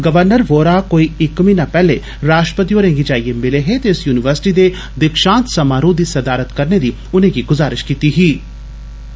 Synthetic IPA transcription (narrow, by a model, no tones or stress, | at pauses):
ɡəʋəɾnəɾʋoːɾaːkoːiːɪkmĩːnãːpɛːleː | ɾaːʃʈə̥pət̪̬ioːɾẽːŋɡid͡ʒaːiːemɪleɦet̪eʊsjuːnɪʋəɾsɪ̥ʈiːd̪e | d̪ɪkʃãːnt̪səmaːɾõːd̪iːsɐd̪aːɾət̪kəɾned̪iː | ʊnẽːɡiɡʊzaːɾɪʃkiːt̪iɦiː